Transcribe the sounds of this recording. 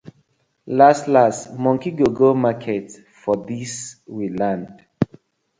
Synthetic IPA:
lastlastmɔ̃ŋkiɡoɡomakʰɛt | fɔdiswilãnd

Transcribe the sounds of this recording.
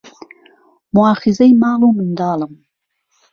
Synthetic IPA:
mʊɑːxɪzajmɑːlumɪnd̪ɑːləm

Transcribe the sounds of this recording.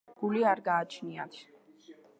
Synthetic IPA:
ɡ̥uliaɾɡaːt͡ʃʰniat̪ʰ

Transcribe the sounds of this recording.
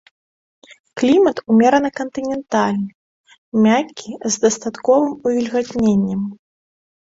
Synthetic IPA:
klʲimɐt̪umʲɛɾɐnɨkɐnt̪ɨnʲɛnt̪alʲnɨ | mʲakʲːizd̪ɐst̪at̪kɔvɨmuvʲilʲɣad̪ʲnʲenʲːɛm

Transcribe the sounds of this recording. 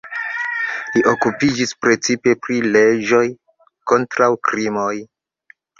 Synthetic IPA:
liʔokupid͡ʒispɾe̞t͡sipe̞pɾiled͡ʒo̞j | ko̞ntɾawkɾimoj

